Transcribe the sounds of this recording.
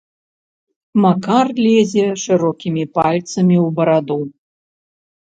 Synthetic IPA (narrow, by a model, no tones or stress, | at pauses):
makarlʲɛzʲɛʂɨɾɔkʲimʲipalʲt̪sɐmʲiwbɐɾad̪u